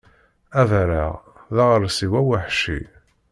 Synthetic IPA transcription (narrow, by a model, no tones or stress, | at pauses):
æðɾaʁ | ðaʁəɾsiwæwiħʃḭ